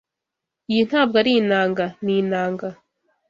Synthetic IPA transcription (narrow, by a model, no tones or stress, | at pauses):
ijin̥haːb̚ɡaɾinaːŋɡaniːnaːŋɡa